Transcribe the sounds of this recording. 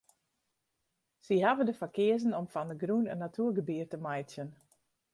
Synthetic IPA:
siɦavəndəfakɪəzənɔmfɔndəɡrunənːatʰuərɡəbiərtəmajtsjən

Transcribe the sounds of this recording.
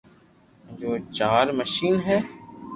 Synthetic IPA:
d͡ʒoːt͡ʃaːɾməʃiːnɦɛː

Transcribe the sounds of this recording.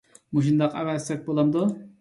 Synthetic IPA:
muʃund̪ɑqævɛzɛk̚ʲbolˠɑmd̪u

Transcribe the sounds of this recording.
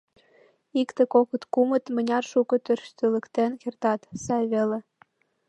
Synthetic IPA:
ikt̪ĕkokə̆t̪kumə̆t̪mə̆nʲɑrʃukə̆t̪ørʃt̪ølə̆kt̪enkert̪ɑt̪sɑjβele

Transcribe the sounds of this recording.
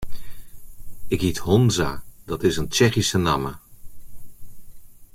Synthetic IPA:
ɪkɦithɔnzaːd̥ɑtɪsənt͡ʃɛχisənɑ̰mə

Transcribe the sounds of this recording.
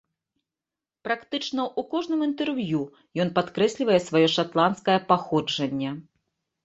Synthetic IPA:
pɾakt̪ɨt͡ʂnɐʔukɔʐnɨmint̪ɛrvju | jɔnpat̪kɾɛsʲlʲivɐjɛsvajɔʂat̪lˠanskɐjɐpaxɔd͡ʐɐnʲːɐ

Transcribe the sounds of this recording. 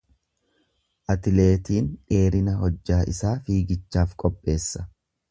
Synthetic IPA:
ʔɐt̪ɪle̞ːt̪iːnᶑe̞ːɾɪnɐhɔd͡ʒːaːʔɪ̰saːfiːɡɪt͡ʃːaːfkʼɔpʼːe̞ːsːɐ

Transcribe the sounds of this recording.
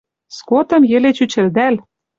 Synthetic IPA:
skot̪ɤ̆mjɘ̆let͡ɕyt͡ɕɘ̆ld̪æl

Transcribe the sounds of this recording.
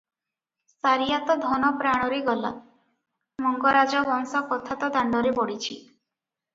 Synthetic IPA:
saɾijat̪ɔd̪ʱɔnɔpɾaɽ̃ɔɾeɡɔla̰ | mɔŋɡɔɾad͡ʒabɔŋsɔkɔt̪ʰat̪ɔd̪aɳɖɔɾebɔɽit͡ʃʰi

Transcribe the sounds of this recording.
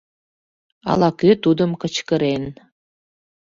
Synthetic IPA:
ɑ̰lɑkøt̪ud̪ə̆mkə̆t͡ɕkə̆ɾen

